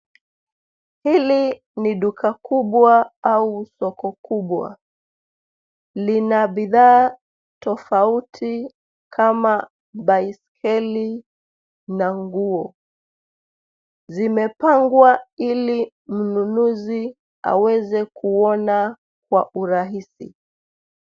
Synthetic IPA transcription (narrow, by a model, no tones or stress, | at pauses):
hili | niɗukʰakuɓwaausɔkɔkuɓwa̰ | linaɓiðaː | tɔfautʰi | kʰama | ɓaiskʰɛli | naŋɡuɔ | zimɛpaŋɡwaili | m̩nunuzi | a̰wɛzɛkuɔna | k̚wa̰ʔuɾaɦisḭ